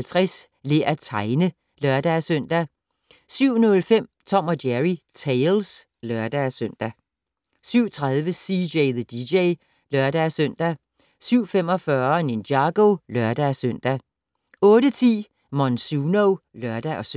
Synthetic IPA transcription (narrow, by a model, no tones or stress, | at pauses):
lt͡sʰʁɛs | le̝æt͡sʰɑ̈ɪnə | lɶɐd̥æsøn̰d̥æ | syʊ̰nɔ̽lfem̰t͡sʰɒ̽m̰ɒ̽djæʁit͡sʰeɪls | lœɐd̥æsøn̰d̥æ | syʊ̰t͡sʰʁaðˠʋəsideɪðəd̥ideɪ | lɶɐd̥æsøn̰d̥æ | syʊ̰fem̰ɒ̽fɶɐnend̥jɑ̈ɡ̥olœɐd̥æsøn̰d̥æ | ɔ̽ːd̥ət͡sʰḭː | mɒnsunoʊlœɐd̥æʔɒ̽s